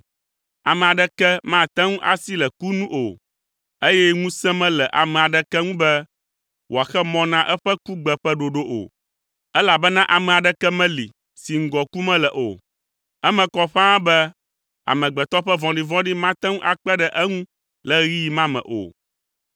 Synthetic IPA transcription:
a˨mɛ̃˨a˨ɖɛ˦kɛ˦mã˦˨t̪ɛ̃˦ŋũ˦ʔa˦si˦lɛ˨ku˦nũ˦ʔo˨ | e˦jɛ˦ŋũ˦sɛ̃˦mɛ̃˦lɛ˨ʔa̰˨mɛ̃˨a˨ɖɛ˦kɛ˦ŋũ˦bɛ˦ | wo˨a˨xɛ˦mɔ̃˦nã˦ʔɛ˦ɸɛ˦ku˦ɡ͡bɛ˨ɸɛ˦ɖo˨ɖo˦ʔo̰˨ | ɛ˦la˨bɛ˦nã˦ʔa˨mɛ̃˨a˨ɖɛ˦kɛ˦mɛ̃˦li˨ | si˨ŋ̩˦ɡɔ˨ku˦mɛ̃˦lɛ˨ʔo̰˨ | ɛ˦mɛ̃˨kɔ˦ɸã˦bɛ˦ | a̰˨mɛ̃˨ɡ͡bɛ˨t̪ɔ˦ɸɛ˦vɔ̃˨ɖi˨vɔ̃˦ɖi˦mã˦t̪ɛ̃˦ŋũ˦ʔa˨k͡pɛ˦ɖɛ˦ʔɛ˦ŋũ˦ | lɛ˦ɣi˦ji˨mã˦mɛ̰̃˨ʔo̰˨

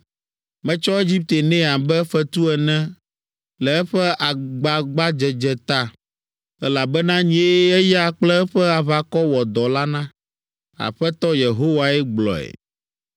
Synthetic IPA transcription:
mɛ̃˦t͡ʃɔ˦e˦d͡ʑi˦p̚t̪e˨nɛ̃˦a˨bɛ˦fɛ˦t̪u˦ɛ˨nɛ̃˦ | lɛ˨ɛ˦ɸɛ˦ʔa˨ɡ͡ba˨ɡ͡ba˦d͡ʒɛ˨d͡ʒɛ˨t̪a˦ | ɛ˦la˨bɛ˦nã˦ɲĩ˨e˦ɛ˦jɛ˦a˨k͡plɛ˦ɛ˦ɸɛ˦a˨βa˨kɔ˦wɔ˨d̪ɔ˨la˦nã˦ | a̰˨ɸɛ˦t̪ɔ˦je˨ɦo˦wa˨ɛ˦ɡ͡blɔ̰˨ɛ̰˨

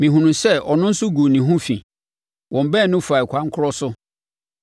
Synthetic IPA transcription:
mĩ˨ɦũ˨nũ˨sɛ˦˨ɔ˨nʊ̃˦n̩˦sʊ˦ɡu˨nĩ˨ɦʊ̃˦fḭ̃˨ | wʔɔ̃˨m˨bɛ̃˦˨nʊ̃˦fu˨a˨i˨kʷʰã˦ŋ̩˦kʰʊ˦ɾɔ˦sʊ˦

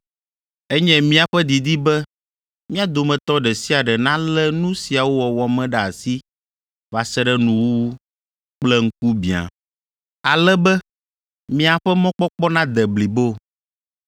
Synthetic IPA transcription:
ɛ˦ɲɛ̃˦mĩ˦a˨ɸɛ˦d̪i˨d̪i˦bɛ˦ | mĩ˦a˦d̪o˨mɛ̃˨t̪ɔ˦ɖɛ˨si˦a˨ɖɛ˨nã˦lɛ˦nũ˦si˨a˨wo˦wɔ˨wɔ˨mɛ̃˦ɖa˨a˨si˦ | va˨sɛ˦ɖɛ˦nũ˨wu˦ | k͡plɛ˦ŋ̩˦k̚u˦bḭ̃˨a̰˨ | a˨lɛ˦bɛ˦ | mĩ˦a˨ɸɛ˦mɔ̃˦k͡pɔ˦k͡pɔ˦nã˦d̪ɛ˨bli˨bo˦˨

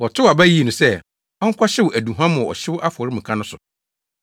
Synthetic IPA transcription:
wɔ˨tʰʊ˦wa˨bæ˦ji˦e˨nũ˨sɛ˦ | ɔ˦ŋ̩˦kʰʷa˦ɕɪ˦wʊ˨ʔæ˨dũ˨ɦã˦mʊ̃˨ɔ̰˨ɕɪ˦wʊ˦ʔa˦fʊ˨ɔ˨ɾɪ˦mĩ˨kʰã˦nʊ̃˦sʊ˨

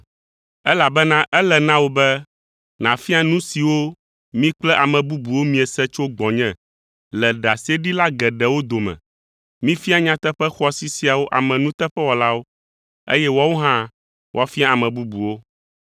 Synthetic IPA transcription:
ɛ˦la˨bɛ˦nã˦ʔɛ˦lɛ˨nã˦wo˦bɛ˦ | nã˨fi˦a˦nũ˦si˨wo˦ | mĩ˦k͡plɛ˦ʔa˨mɛ̃˨bu˦bu˨wo˦mĩ˦ɛ˨sɛ˦t͡ʃo˦ɡ͡bɔ̃˨ɲɛ̃˨ | lɛ˨ɖa˨se˦ɖi˦la˦ɡɛ˨ɖɛ˨wo˦d̪o˨mɛ̰̃˨ | mĩ˦fi˦a˦ɲã˦t̪ɛ˦ɸɛ˦xɔ˦si˨si˦a˨wo˦ʔa˨mɛ̃˨nũ˦t̪ɛ˦ɸɛ˦wɔ˨la˦wo˦ | ḛ˦jɛ˦wɔ˦wo˦ɦã˦ | wʔa˦fi˦a˦a˨mɛ̃˨bu˦bu˨wo˦

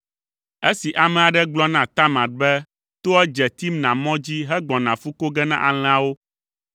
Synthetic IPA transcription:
e˦si˨ʔa˨mɛ̃˨a˨ɖɛ˦ɡ͡blɔ˦nã˨t̪a˦mã˨t̪̚bɛ˦ | t̪o˦ɛ˦d͡ʒɛ˨t̪i˦mnã˨mɔ̃˦d͡ʑi˦ɦɛ˦ɡ͡bɔ̃˨nã˨fu˦ko˦ɡɛ˦nã̰˦ʔa˨l̃ɛ̃˨a˨wo˦

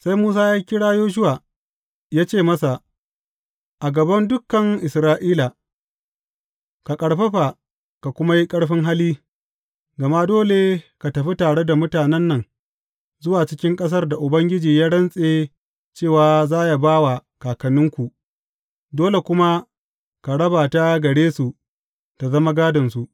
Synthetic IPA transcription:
sa˦jmuː˦s̬aː˦jaː˦kʲɪ˦ɽaː˦joː˦ʃ̬ʊ˦waː˨ | jaː˦t͡ʃeː˦˨mɐ˦sa˨ | ʔa˨ɡɐ˨bɐ˦ndʊ˦kːɐ˨ŋʔɪ˨sɾaː˦ʔiː˦la˨ | ka˨kʼɐ˨ɽɸɐ˦ɸa˨ | ka˨kʷʊ˦ma˦ji˦kʼɐ˦ɽɸɪ˦ŋɦa˦liː˦ | ɡɐ˨ma˦doː˦le˨ka˨tɐ˨ɸi˦taː˨ɽe˦da˨mʊ˦taː˨nɛ˦nːɐ˨ŋ | zʊ˦waː˨t͡ʃɪ˦kʲɪ˦ŋkʼɐ˦s̬ɐ˦rda˨ʔʊ˨bɐ˦ŋɡʲɪ˦d͡ʒiː˨jaː˦ɽɐ˦nsʼeː˨ | t͡ʃeː˦˨waː˨zaː˦ja˨baː˦wa˨kaː˨kɐ˨nɪ˦ŋkʷu˨ʔ | doː˦le˨kʷʊ˦ma˦ | ka˨ɽɐ˦baː˨ta˦ɡɐ˨ɽeː˦su˨ | ta˨zɐ˦ma˦ɡaː˦dɐ˨nsu˨ʔ

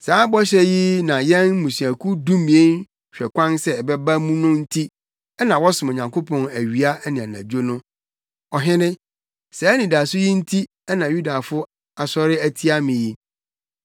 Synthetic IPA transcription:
saː˨˦bɔ˦ɕɛ˦ji˦nã˨jɛ̃˦nmũ˨si˨æ˨kʰu˦dũ˦mĩ˨e˦n | ɕᶣɛ˨kʷʰã˦nsɛ˦ɛ˨bɛ˦ba˦mũ˦nʊ̃˦n̩˦tʰi˦ | ɛ˦nã˨wɔ˦sʊ̃˨mo˨ɲã˨ŋkʰo˦pʰɔ̃˨næ˨ɥi˨a˦ɛ˦nɪ̃˨a˨nã̰˨d͡ʑo˦nʊ̃˦ | ɔ˨ɦɪ̃˦nɪ̃˦ | sɛ˨ɛ˦nĩ˨da˨sʊ˦ji˦n̩˦tʰi˦ | ɛ˦nã˨ju˦da˨fʊ˦ | a˨sɔ˦ɾɪ˦æ˦tʰi˦a˦mɪ̃˨ji˦

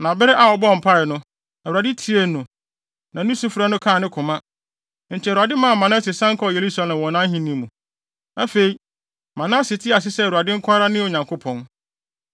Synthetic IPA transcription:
nã˨bɪ˦ɾɛ˦ʔa˨ɔ˨bɔ˦˨m̩˨pʰa˦ɪ˨nʊ̃˦ | na˨a˨dɪ˦tʰi˦e˦nʊ̃˨ | nã˨nũ˦su˦fɾa˦nʊ̃˦kʰã˦˨nɪ̃˦kʰʊ̃˨mã˦ | ɲ̩˨t͡ɕʰɛ˨ɾu˨a˨dɪ˦mã˦˨mã˨nʊ̃˦sɪ˨sã˦ŋ̩˦kʰɔ˦˨je˨ɾu˦sa˦lã˨m˨wɔ̃˨nã˦ɦĩ˦nĩ˦mũ˨ | nã˨fe˨i˨ | mã˨nã˦sɪ˨tʰɪ˦a˨s̬ɪ˦sɛ˦˨u˨a˨dɪ̃˦ŋ̩˦kʰʷa˦ɾa˦nɪ̃˦o˨ɲã˨ŋkʰo˦pʰɔ̃˨n

